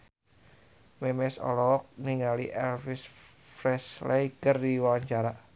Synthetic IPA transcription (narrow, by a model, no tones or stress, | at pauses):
mɛmɛsɔ̰lɔk̚niŋalḭʔɛlfis | fɾɛslɛiɡərdiwaaɲt͡ʃaɾa